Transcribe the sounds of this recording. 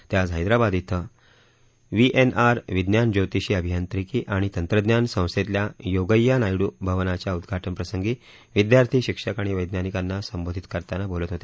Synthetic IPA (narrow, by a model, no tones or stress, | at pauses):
t̪jad͡zɦajd̪ɾabad̪it̪ʰə | ʋiʔenaɾʋid̪njand͡ʑot̪iɕiːəbʱijant̪ɾikiːʔaɽ̃it̪ənt̪ɾəd̪njansə̃w̃set̪ljajoɡəjːanajɽuːbʱəʋnat͡ɕjaud̪ɡʱaʈənpɾəsəŋɡiː | ʋid̪jaɾt̪ʰiːɕikʂəkaɽ̃iʋəjd̪nanikanːasəmbod̪ʱit̪kəɾt̪anabolət̪ɦot̪e